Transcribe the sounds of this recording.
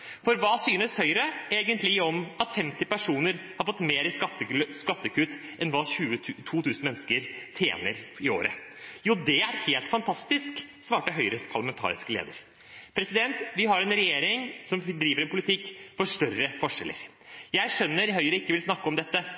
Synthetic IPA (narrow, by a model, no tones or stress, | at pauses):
fɔɾʋɑːsyːnəshœʏɾəeːɡənt̪lɪɔmɑt̪fɛmt̪ɪpæʂuːnəɾhɑɾfɔt̪ːmeːɾɪsɑəskɑt̪ːəkʉt̪ːʔɛnʋɑːɕʉːət̪ʰuːt̪ʰʉːsn̩mɛnːskəɾt̪ʰjḛːnəɾɪo̰ːɾə̰juːd̪ɛæɾheːlt̪fɑnt̪ʰɑst̪ɪsk | sʋɑːʈəɦœʏɾəpʰɑɭɑmɛnt̪ʰɑ̰ːɾɪ̰skəlḛːd̪ə̰ɾ | pʰɾɛsɪd̪ɛnt̪ʋɪɦɑɾɛnɾɛjeːɾɪŋsɔmd̪ɾiːʋəɾɛnpʊlɪt̪ʰɪkːfɔʂʈœrəfɔʂɛlə̰ɾ | jæɪʂœnːəɾɦœʏɾəɪkːəʋɪlsnɑkːəɔmd̪ɛt̪ːə